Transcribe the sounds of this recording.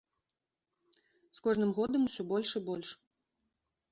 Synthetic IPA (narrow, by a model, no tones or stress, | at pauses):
skɔʐnɨmɣɔd̪ɐmusʲɔbɔlʲʂɨbɔlʲʂ